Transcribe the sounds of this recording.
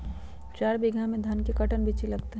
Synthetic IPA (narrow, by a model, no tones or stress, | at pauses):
t͡ʃaːɾbiɡʱãmẽd̪ʱɐnkekɐʈənbʱit͡ʃilɐɡt̪eɦ